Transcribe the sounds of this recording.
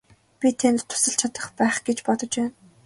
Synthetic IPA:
pʲit̪ʰent̪t̪ʰːʊ̥sə̆ɬt͡ɕʰat̪ə̥̆χpæːχɡet͡ɕpɔt̪ɞ̆t͡ɕpæːn

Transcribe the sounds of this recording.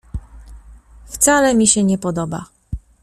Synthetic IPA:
ft̪salɛmʲiɕɛɲɛpɔd̪ɔba̰

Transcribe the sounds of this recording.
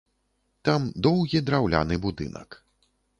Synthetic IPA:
t̪amd̪ɔwɣʲid̪ɾawlʲa̰nɨbud̪ɨ̰nɐ̰k

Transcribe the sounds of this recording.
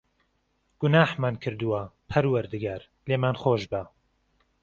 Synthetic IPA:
ɡ̥ʊnaːħmaːnkʰɨɾd̪uwɐpʰɐɾwɐɾd̪ɨɡaːɾ | leːmaːnχoːʒbɐ

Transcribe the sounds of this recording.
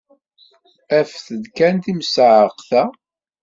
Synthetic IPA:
æfθəd̪kænt̪imsʕəqθæ

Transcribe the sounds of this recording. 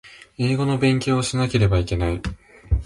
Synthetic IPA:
e̞ːɡo̞no̞bẽ̞ŋkʲo̞ːɕinake̞ɾe̞baike̞nai

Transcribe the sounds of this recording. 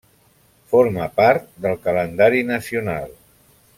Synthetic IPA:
foɾməpaɾt̪̚d̪əlˠkələnd̪aɾinəsiunalˠ

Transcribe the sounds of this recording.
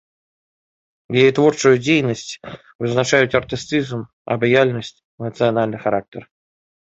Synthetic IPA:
jejit̪vorʂʊjʊdʲejnəsʲtʲ | vɨznaʂajʊt̪ɐrt̪ɨst̪sɨzm | ɐ̰bajalʲnəsʲtʲ | nət̪sɨanalʲnɨjxaɾak̚tʲər

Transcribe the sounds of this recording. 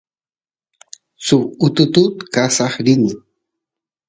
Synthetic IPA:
sʊʊt̪ʊt̪ut̪kasɑχɾɪnɪ

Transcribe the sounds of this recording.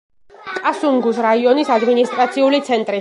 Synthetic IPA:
kʼasuŋɡusɾaiɔnisad̪minist̪ʼɾat̪sʰiulit̪sʰɛnt̪ʼɾi

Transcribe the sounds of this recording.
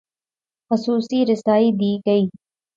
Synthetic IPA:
xʊsuːsiɾɪsaːid̪iːɡɐiː

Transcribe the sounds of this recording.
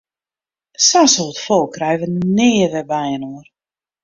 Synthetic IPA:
sansoətfɔlˠkrɛjvənnɪːəʋɛbɛjənuər

